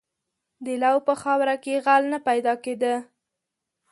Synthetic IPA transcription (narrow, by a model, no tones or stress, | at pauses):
d̪əlawpəxɑwɾakeɣalnapajd̪ɑked̪ə